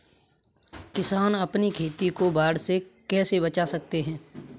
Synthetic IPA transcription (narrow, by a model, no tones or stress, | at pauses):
kɪsaːnɐpnikʰeːt̪ikobaːɽsekɛːsebɐt͡ʃasɐk̚t̪eɦɛ̃ː